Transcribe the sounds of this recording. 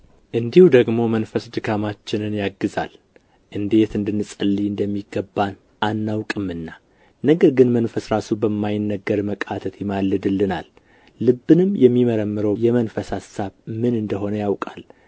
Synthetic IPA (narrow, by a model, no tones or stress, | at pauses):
ʔɨnd̪ihud̪əɡmo̞mənfəsd̪ɨɡamat͡ʃːɪnɨnjaɡːɨza̰l | ʔɨnd̪e̞t̪ɨnd̪ɨnːɨsʼəlːiɨnd̪əmːiɡəbːan | ʔanːawkʼɨmːɨnːa | nəɡəɾɡɨnmənfəsɾasubəmːajɪnːəɡəɾməkʼat̪ʰət̪jɪmalːɨd̪ɨlːɨna̰lː | ɨbːɨnɨmjɛmːiməɾəmːɨɾəwjɛmənfəsasaβmɨnɨnd̪əɦo̞nəjawkʼal